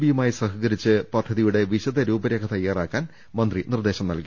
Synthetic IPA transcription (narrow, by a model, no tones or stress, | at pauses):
bijumaːjisɐɦikɐɾit͡ɕːɨpɐd̪ʱːɐðijuɽe̞ʋiɕɐðɐɾuːbɐɾeːkɐt̪ɐjːaːraːkːaːn | mɐnd̪rinird̪e̞ːɕɐmnɐlki